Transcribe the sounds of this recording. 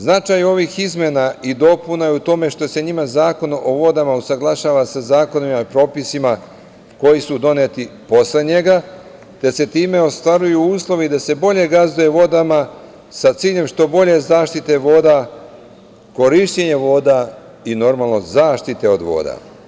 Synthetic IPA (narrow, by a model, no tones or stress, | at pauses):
znat͡ʃajo̞ʋixizmjenaid̪o̞punajeut̪o̞me̞ʃt̪o̞se̞ɲimazaːko̞noʔoʋo̞d̪amausaɡlˠaʃaːʋasazaːko̞nimaipɾo̞ːpisima | ko̞jisud̪o̞net̪ipo̞sleɲe̞ɡa | t̪e̞se̞t̪iːme̞o̞st̪ʋaɾujuuːslˠo̞ʋid̪ase̞bo̞ʎe̞ɡazuje̞ʋo̞d̪ama | sat̪siːʎe̞mʃt̪o̞bo̞ʎe̞zaːʃt̪it̪e̞ʋo̞ːd̪a | ko̞ɾiʃt͡ɕeɲe̞ʋo̞ːd̪a | ino̞ɾmalˠno̞zaːʃt̪it̪e̞o̞d̪ʋo̰ːd̪a̰